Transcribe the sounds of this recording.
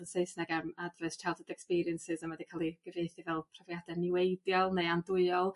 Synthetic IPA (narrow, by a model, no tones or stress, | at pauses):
ənsejsnaɡarmadrɛstʰɛlˠdədɛkspiɾiənsɪzamadikʰalˠiɡ̥əvejθivɛlˠpʰr̥ɔvjadɛnɪwejdjɔlˠnejandʊɨɔlˠ